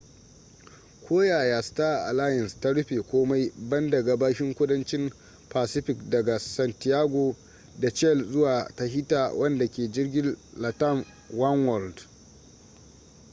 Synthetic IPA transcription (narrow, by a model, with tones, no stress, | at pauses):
kʷoː˦jaː˨jaː˨staː˦˨ʔa̰˨laː˦jɪ˨nstɐ˦ɽʊ˦ɸeː˨kʷoː˦ma˦jbɐ˦ndɐ˨ɡa˨baː˦ʃɪ˦ŋkʷʊ˦dɐ˦nt͡ʃɪ˦m | paː˨sɪ˦ɸɪ˨kdɐ˨ɡa˨sɐ˨ntɪ˨aː˦ɡʷoː˨ | da˨t͡ʃɛ˦˨lzʊ˦waː˨ta˦ɦɪ˦taː˨wʔɐ˦nda˨kʲeː˨d͡ʒɪ˦rɡʲɪ˦nla˨tɐ˦˨n | wɐ˦nwɔ˨ld